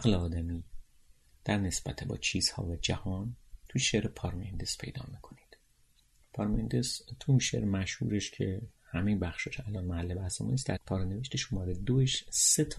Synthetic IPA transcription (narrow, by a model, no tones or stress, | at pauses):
æɣleɒːd̪æmiː | d̪̥æɾne̞sb̥æt̪ʰebɒ̰ːt͡ʃʰiːz̥hɒ̰ːvæd͡ʒæhɒːnt̪ʰujʃeɾepʰɒɾmend̪espʰejd̪ɒ̰ːmikʰo̞ni̥d̪̥ | pʰɒːɾmend̪est̪ʰuinʃḛɾmæʃhṵːɾeʃcʰehæmejebæxʃɒːʃælɒːnmæhælːebæsemunisd̪æɾpʰɒːɾene̞veʃt̪eʃuːmæd̪ed̪oeʃset̪ʰ